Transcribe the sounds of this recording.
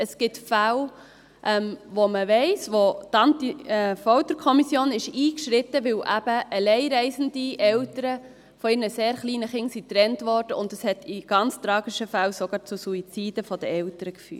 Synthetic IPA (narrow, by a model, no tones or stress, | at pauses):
əsɡ̥ɪtfæw | ʔɛmʋoməʋɛɪsʋotɑntiɛfɔʊt̪əɾkʰɔmisjoːnɪʃiːkʃɾɪt̪əʋɪwʔæb̥əʔəlɛɪɾɛɪsən̩diɛwtəɾə | fɔɪɾnəseːɾχliːnəχɪŋsit̪ɾɛntʋɔːɾd̥əʊndəshɛtiɡ̥ɑnt͡st̪ɾɑːɡ̥ɪʃəfæwsɔɡɑːɾt͡susuit͡siːd̥əfɔd̥əɛwtəɾəkfy̰ː